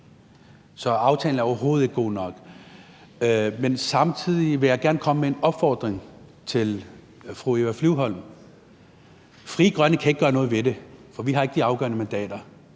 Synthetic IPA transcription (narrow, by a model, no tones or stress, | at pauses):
sɒ̽ɑ̈ʊt͡sʰɛ̰ːln̩æɐɒʊɐɦo̝ːð̞̩ˠe̝ɡ̥̚ɡ̥o̝̰ːnɒ̽ɡ̥ | mensɑ̈mt͡sʰið̰ˠiʋe̝jɑ̈ɪɡ̥æɐnkʰɒ̽məmee̝nɒ̽b̥fɒ̰ːd̥ʁeŋt͡sʰe̝l | fʁueʋæflyʊɦɒ̽l̰m | fʁiːɡ̥ʁɶnəkʰæeɡ̥ə̥ɡ̥ɶːɐnɔ̽ːð̩ˠʋe̝d̥e̝fɒ̽ʋiɦɑ̈e̝ɡ̥əd̥iɑ̈ʊɡ̥ɶ̰ɐnəmænd̥ɛ̰ːd̥ɐ